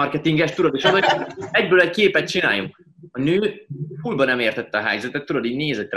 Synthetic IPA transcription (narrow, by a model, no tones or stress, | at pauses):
ɒrkɛt̪iŋɡɛʃt̪uɾɒd̪iʃonoɛɟbøːlɛckeːpɛt̪̚t͡ʃina̰ːjuŋk | ɒnøːfuːlbɒnɛmeːrt̪ɛt̪ːɒɦɛ̰jzɛt̪ɛt̪ːuɾɒd̪iːɟneːzɛtt̪ː